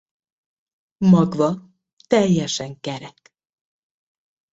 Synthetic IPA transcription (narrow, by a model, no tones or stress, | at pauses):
mɒɡvɒ | t̪ɛjːɛʃɛŋkɛɾɛk